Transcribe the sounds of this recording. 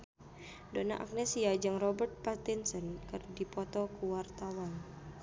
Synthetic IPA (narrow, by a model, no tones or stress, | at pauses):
dɔna̰ʔa̰k̚nɛsiad͡ʒɨŋrɔbərt̪̚pat̪insɔnkɨrdipɔt̪ɔkuwart̪awan